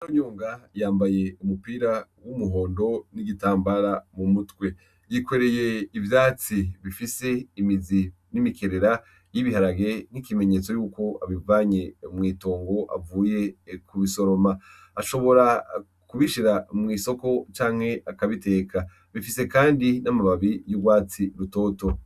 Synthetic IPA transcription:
oɲoːŋɡajaːmbaje̞umupiːɾawumuɦo̞ːndo̞niɡitaːmbaɾamumutwe̞ | jikwe̞ɾe̞je̞ivjaːt͡siβifise̞imizi | nimikʰe̞ɾe̞ɾa | jiβiɦaɾaɡe̞n̥ikime̞ɲe̞t͡so̞juːko̞aβivaɲe̞umŋiːto̞ːŋɡo̞ʔa̰vuːje̞kuβiso̞ɾo̞ma | aʃo̞βo̞ɾa | kuβiʃiɾamŋiːso̞ko̞t͡ʃaːŋ̥he̞ʔakaβite̞ːkʰa | βifise̞kaːndinamaβaβijuɡwaːt͡siɾuto̞ːto

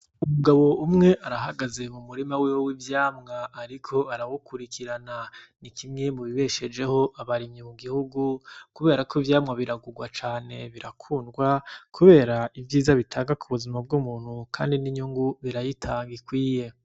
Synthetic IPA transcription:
umuɡaβo̞ʔumŋe̞ʔaɾaɦaɡaze̞mumuɾimawewowivjaːmŋaːɾikʰo̞aɾawukʰuɾikʰiɾananikʰimŋe̞muβiβe̞ʃe̞d͡ʒe̞ho̞ʔaβaɾiɲimuɡihuɡukuβe̞ːɾakʰoivjaːmŋaβiɾaɡuɡwat͡ʃaːne̞βiɾakʰuːnɡwakʰuβe̞ːɾaivjiːzaβitʰaːŋɡakʰuβuzimab̚ɡumuːn̥hukʰa̰ːndiniɲuŋɡuβiɾajitʰaːŋɡikwiːje̞

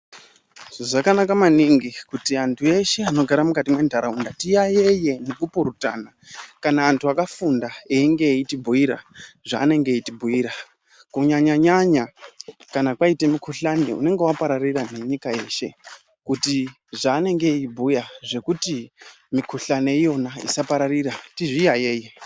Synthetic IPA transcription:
ʐakanakamaniŋɡikutiantʰue̞ʃe̞ano̞ɡʱaɾamukatimwe̞ndʱaɾaundatijaje̞je̞nekupoɾuta̰nakanaːntʰuakafundaeiŋɡe̞itibʱuiɾa̰ʐaːne̞ŋɡe̞itibʱuiːɾa | kuɲaɲaɲaɲakanakwaitemikʰuɬanḛṵne̞ŋɡewapaɾarirane̞ɲikae̞ːʃe̞ | kuti | ʐaːne̞ŋɡe̞ibʱujaʐe̞kuti | mikʰuɬaneijo̞naḭsapaɾariɾatiʐijaje̞ːje

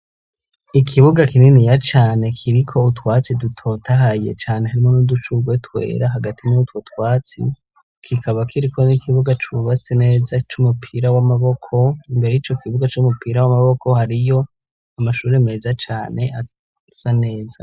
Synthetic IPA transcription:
ikʰiβuɡakininijat͡ʃaːne̞kʰiɾikʰo̞utwaːt͡sidutʰo̞tʰaɦaje̞̰t͡ʃaːne̞ɦaɾimo̞nudut͡ʃuɡwetwe̞̰ːɾaɦaɡatʰinutwotwaːt͡sḭ | kʰikʰaβakʰiɾikʰo̞nikʰiβuɡat͡ʃuβat͡sene̞ːzat͡ʃumupʰiːɾawamaβo̞kʰo̞imbe̞ɾe̞jit͡ʃo̞kiβuɡat͡ʃumupiːɾawamaβo̞kʰo̞haɾijo̞ | amaʃuːɾemeːzat͡ʃaːne̞ʔa | z̥ane̞ːza

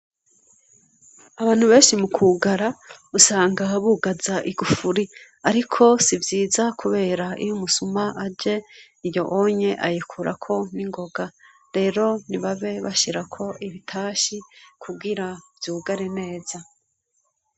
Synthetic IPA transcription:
aβaːn̥huβe̞ːnʃimukʰuːɡaɾausaːŋɡaβuːɡazaʔiɡufuɾi | aɾikʰo̞sivjiːzakʰuβe̞ːɾaʔḭjumusumaʔad͡ʒe̞ | ijo̞ʔoɲe̞ʔajikʰuɾa̰kʰo̞niŋɡo̞ɡa | ɾe̞ːɾo̞niβaβe̞βaʃiɾakʰo̞ʔiβitʰaːʃikʰuɡiɾavjuːɡaɾene̞ːz̥a

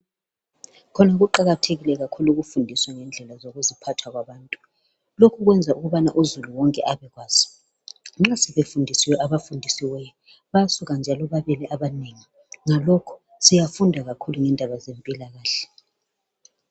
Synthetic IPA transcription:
kʰɔnaɣuǃaɣatʰeɣilɛɣakʰuluɣufundʱiswaŋɛnd͡ɮʱɛlazoɣuzipʰatʰwaɣwaβaːntʼu | lokʰuɣwɛnd͡zʱaʔuɣuβanaʔuzuluwɔŋkʼɛ̰ʔaβɛɣwaːz̥i̥ | ŋ͡ǁasɛβefundʱisiwɛʔaβafundʱisiwɛjɔ | βajasuɣand͡ʒʱalɔβaβɛlɛʔaβaneŋi | ŋalɔkʰɔ̥ | sijafundʱaɣakʰuluŋɛndʱaβazempʼilaɣaːɬɛ̥

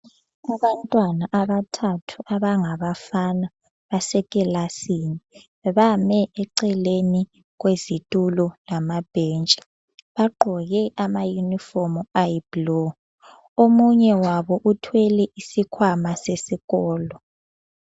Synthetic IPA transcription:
aβantʼwanaʔaβatʰatʰuʔaβaŋaβafana | βasɛkʼɛlasiːni | ɛβamɛʔɛǀɛleni | ɣwezitʼululamab̥ʱent͡ʃʼi̥ | βaɡ͡ǃʱɔɣɛʔamajunifɔmablo | omuɲɛwaβɔʔutʰwɛlɛʔisikʰwamasesiɣɔːlɔ

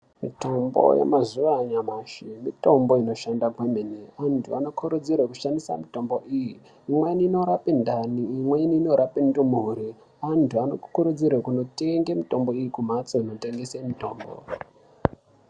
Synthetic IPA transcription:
mito̞mbo̞̰jḛmazuʋaɲamaʃimito̞mbo̞ino̞ʃandaɡwemeneantʰuano̞kʰuɾud͡zirwekuʃandisa̰mito̞mbo̞ʔiji | imweiniːnoɾapindaniːmweiniːnoɾapindumuɦuɾi | antʰuano̰kkuɾud͡zirwekuno̞te̞ŋɡemito̞mbo̞ijikum̤at͡so̞ino̞te̞ŋɡesemito̞ːmbo̰

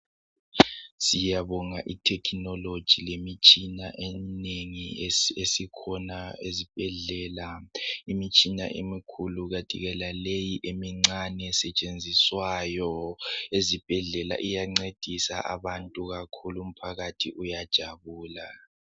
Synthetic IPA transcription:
sijaβɔŋaʔitʰɛkʰinɔlod̥ʒ̥ʱilemit͡ʃʼina̰ʔɛneŋiesikʰɔnaezib̥ʱɛɮɛːlaimit͡ʃʼina̰ʔḛmikʰuluɣad̥ʱḭɣɛlalejiʔemiŋ͡ǀanɛsɛt͡ʃʼend͡zʱiswajɔezib̥ʱɛɮɛla̰ʔijaŋ͡ǀed̥ʱisa̰ʔa̰βantʼuɣakʰulum̩pʰaɣatʰiʔujad̥ʒ̥ʱaβuːla

